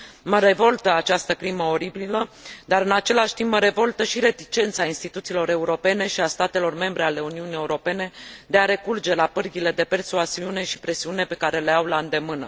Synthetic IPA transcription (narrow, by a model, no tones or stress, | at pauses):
məɾe̞vo̞lt̪əat͡ʃast̪əkɾiməo̞ɾibiləd̪aɾɨnat͡ʃe̞laʃt̪imbməɾe̞vo̞lt̪əʃiɾe̞t̪it͡ʃe̞nt̪sainst̪it̪ut̪silo̞ɾe̞uɾo̞pe̞ne̞ʃiast̪at̪e̞lo̞rme̞mbɾe̞ale̞uniunie̞uɾo̞pe̞ne̞d̪e̞aɾe̞kurd͡ʒe̞lapɨrɡʲile̞d̪e̞pe̞rsuaziune̞ʃi̥pɾe̞siune̞pe̞kaɾe̞le̞awlaɨnd̪e̞mɨnə